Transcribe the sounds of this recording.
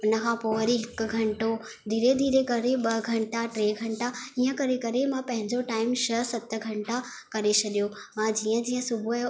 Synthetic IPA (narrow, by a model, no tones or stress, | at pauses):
ʊnə̆kʰãːpoːʋəɾiɦɪkʊ̆ɡʱɐ̃ɳʈo | d̪ʱiːɾed̪ʱiːɾekɐɾeɓɐɡʱɐ̃ɳʈaʈɾeːɡʱɐ̃ɳʈaiːə̃kɐɾekɐɾemãpɐ̃ɦɪ̃ɲd͡ʑoʈaːɪmʃɐsɐt̪ə̆ɡʱɐ̃ɳʈa | kɐɾet͡ɕʰɐɗijo | mãd͡ʑiːə̃d͡ʑiːə̃sʊbʱu